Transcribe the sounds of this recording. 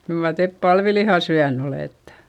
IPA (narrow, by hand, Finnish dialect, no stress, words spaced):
kyl mɑr tep pɑlʋilihɑ syæn oleˑtːe̥